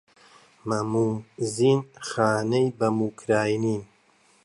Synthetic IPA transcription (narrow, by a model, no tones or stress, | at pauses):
mɐmuziːnxaːnejbɐmuːkʰɾaːjniːn